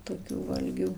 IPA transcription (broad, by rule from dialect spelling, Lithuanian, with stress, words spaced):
toːkʲuː ˈʋɐlʲɡʲuː